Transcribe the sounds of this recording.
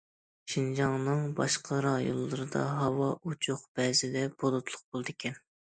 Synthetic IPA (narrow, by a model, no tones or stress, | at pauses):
ʃind͡ʒɑŋnɨŋbɑ̰ʃqʰəɾɑjo̰lˠːɨɾɨd̪ɑ̰ɦɑwɑʔut͡ʃʰʊqb̥ɛzɪd̪ɛbod̪ˠot̪ʰlˠʊq̚b̥olˠɨd̪ɪkʲʰɛn